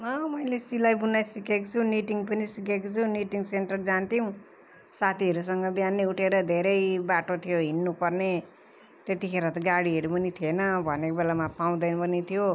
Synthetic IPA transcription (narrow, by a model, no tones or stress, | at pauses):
mʌmʌjlesilajbunajsikekot͡sʰuniʈiŋpʌnisikekot͡sʰuniʈiŋɡseɳʈʌrd͡zant̪iũ | sat̪ʰiɦʌɾusʌŋɡʌbjaneuʈʰeɾʌd̪ʱeɾʌjbaʈot̪ʰijoɦinːupʌrne | t̪et̪ikʰeɾat̪ʌɡaɽiɦʌɾupʌnit̪ʰienʌbʱʌnekobelamapaw̃d̪ʌjnʌpʌnit̪ʰijo